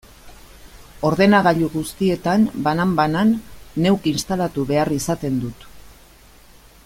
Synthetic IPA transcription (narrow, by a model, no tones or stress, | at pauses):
o̞ɾðe̞naɣ̞aʎuɣust̪ie̞t̪anbanambananːe̞wkinst̪alat̪uβe̞arisat̪e̞nd̪ut̪